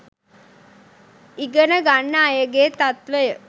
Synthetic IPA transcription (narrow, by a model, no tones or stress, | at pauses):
iɡənəɡanːaːjəɡeːt̪at̪ʋəjə